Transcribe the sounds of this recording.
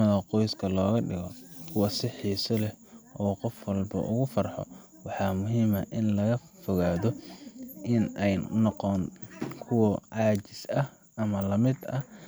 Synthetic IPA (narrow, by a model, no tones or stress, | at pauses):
ɐðɐqɔjskʰɐlɔːɣɐɖɪ̰ɣɔkʰʊwɐsɪħiːsɐlɛʔɔːqɔfwɐlbɐ̰ʔʊ̰ɣʊfɐrħɔ̰ | wɑħɑːmʊɦiːmɐʔɪnlɐɣɐfɔɣaːðɔʔɪnɛjnɔqɔnkʰʊwɐʕɑːt͡ʃɪsɐh | ʔɐmɐlɐmɪd̪ɐh